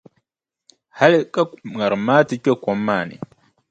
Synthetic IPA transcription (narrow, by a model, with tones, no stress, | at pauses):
ha˦lɛ˦kʼa˦m˨ŋa˨ɾma˦ti˦t͡ʃʼe˦kɔ˨mːa˨nḭ˨